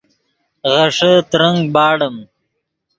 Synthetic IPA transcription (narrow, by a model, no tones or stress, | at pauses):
ɣɐʂət̪ɾəŋɡ̚bɑːɽəm